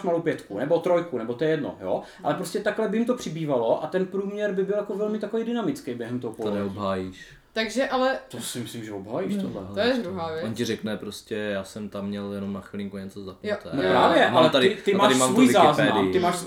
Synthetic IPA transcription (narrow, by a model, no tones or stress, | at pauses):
ʃmalowpjɛt̪kunɛbo̞t̪ɾo̞jkunɛbot̪ojɛjɛdno̰joː | a̰lɛpɾoscɛt̪aklɛbɪjɪmt̪opr̥ɪbiːvalo̞ʔat̪ɛnpɾuːmɲɛɾbɪbɪljakovɛlmɪt̪akovejdɪnamɪt͡skejbjɛɦɛmt̪oɦopoaɛobɦaːjiːʃ | t̪aɡʒɛʔalɛt̪osɪmɪslɪmʒɛobɦaːjiːʃtt̪odlɛ̰ojɛd̪ɾuɦaːvjoncɪɾɛknɛpɾoscɛjaːsɛmt̪amːɲɛljɛnomnaxʋɪlɪŋkuɲɛt͡sozapt̪ɛnopɾaːvjɛʔalɛt̪adɪt̪ɪmaaːaɾɪsmaːmvojlɪzaːzɛmːaɪt̪ɪmaːʃs